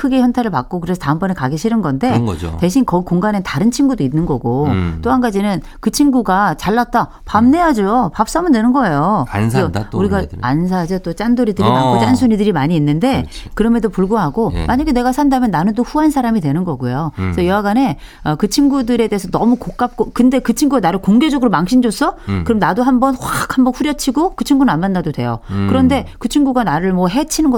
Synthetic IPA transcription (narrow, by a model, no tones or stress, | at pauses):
kʰɯɡe̞çjʌntʰaɾɯɭpak̚k͈okɯɾesʰʌtaɯmpʌnekaɡeɕʰiɾɯnɡʌnde̞̰te̞ɕʰinkʌkoŋɡanentaɾɯnt͡ɕʰinɡudoinːɯnɡʌɡot͈oɦanɡad͡ʑinɯn | kɯt͡ɕʰimɡuɡat͡ɕaɭːat̚t͈a | pamne̞ad͡ʑojopap̚s͈ʌmɯndwe̞nɯnɡʌe̞jo | uɾiɡaans̬ʰad͡ʑʌt͈ot͡ɕ͈andoɾidɯɾimakkot͡ɕ͈ansʰuɲidɯɾimaɲiːnːɯnde̞kɯɾʌmedopuɭɡoɦaɡomaɲaɡe̞ne̞ɡasʰandamjʌnːanɯntoɸuɦansʰaɾamidwe̞nɯnɡʌɡujosʰʌjʌaɡane̞ | ʌkɯt͡ɕʰiŋɡudɯɾe̞deesʰʌnʌmukok̚k͈ap̚k͈okɯnde̞kɯt͡ɕʰiŋɡuɡanaɾɯɭkoŋɡe̞d͡ʑʌɡɯɾomaŋɕʰind͡ʑos͈ʰʌkɯɾʌmnadoɦambʌnɸwakʰhambʌnɸuɾjʌt͡ɕʰiɡokɯt͡ɕʰiŋɡunɯnanmandadodwe̞̰jokɯɾʌnde̞kɯt͡ɕʰiŋɡuɡanaɾɯɭmʌɦe̞t͡ɕʰinɯnɡʌ